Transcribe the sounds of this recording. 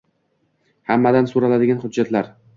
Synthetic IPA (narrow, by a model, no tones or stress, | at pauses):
hamːad̪ansʊɾalad̪ɪɡʲanχʊd̪d͡ʒːat̪ʰlaɾ